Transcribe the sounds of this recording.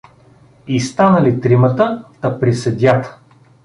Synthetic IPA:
ist̪anəlit̪ɾimət̪ə | ɐpɾisɛd̪ʲjat̪

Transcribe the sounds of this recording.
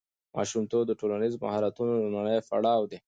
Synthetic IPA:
mʔɑ̰ʃumt̪oɡ̚d̪əʈolanizma̰hɑɾat̪unod̪əmaɳəjfa̰ɽɑwd̪e

